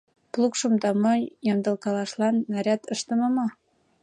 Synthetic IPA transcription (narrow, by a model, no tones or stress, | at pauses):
plˠukʃɤ̆md̪ɑmojɤ̆nd̪ɤ̆lkɑlɑʃlɑnːæɾʲæt̪ɤʃt̪ɤ̆mɤ̆mɑ